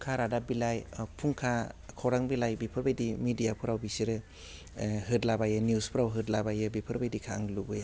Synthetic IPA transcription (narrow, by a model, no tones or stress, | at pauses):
kʰaɾadabilajpʰuŋkʰakʰawɾaŋbilajbipʰɯɾbajdimidijapʰɯɾawbisiɾɯ | ɦɯtlabajɯnjuspʰɯɾawɦɯtlabajɯbipʰɯɾbajdikʰaaŋlubɯja